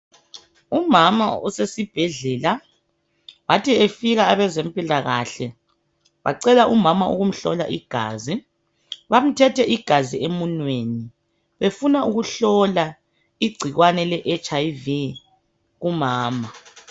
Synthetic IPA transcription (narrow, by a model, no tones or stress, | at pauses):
umama̰ṵsesib̥ʱɛɮɛːla | βatʰiefiɣaːβɛzempʼilaɣa̰ɬɛ | βa̰ǀɛlaʔumamaʔṵɣum̩ɬɔ̰la̰ʔḭɡ̥ʱa̰ːzi | βam̩tʰɛtʰɛʔiɡ̥ʱaziemunweni | βefunaʔuɣuɬɔla | iɡ͡ǀʱiɣwanɛlɛʔɛt͡ʃʼajvi | ɣumaːma